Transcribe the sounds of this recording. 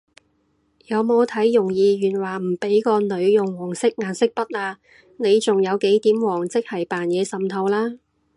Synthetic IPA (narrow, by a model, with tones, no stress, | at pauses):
jɐ˨˧wmo˨˧wt̪ʰɐ˨˥jːʊ˨˩ŋjiː˨˧jyː˨˩nwaː˨˩m̩˨˩pe˨˥jkɔː˧nɵ˨˧ɥjʊ˨ŋwɔː˨˩ŋsɪ˥k̚ŋaː˨˩nsɪ˥k̚pɐ˥t̚laː˧ | ne˨˧jt͡sʊ˨ŋjɐ˨˧wke˨˥jt̪iː˨˥mwɔː˨˩ŋt͡sɪ˥k̚hɐ˨jpaː˨njɛː˨˧sɐ˨mt̪ʰɐ˧wlaː˥